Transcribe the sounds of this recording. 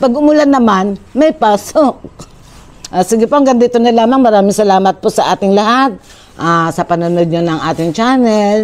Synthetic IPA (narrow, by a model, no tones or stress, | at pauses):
pɐɡʔʊmʊlanɐmanmɐjpaːsok̚ | ʔaːsiɡɪpoʔɐŋɡɐnd̪it̪onɐlaːmɐŋmɐɾaːmɪŋsɐlaːmɐt̪̚posɐʔaːt̪ɪŋlɐhat̪̚ | ʔasɐpɐnʊnod̪̚ɲonɐŋʔaːt̪ɪŋt͡ʃanɛl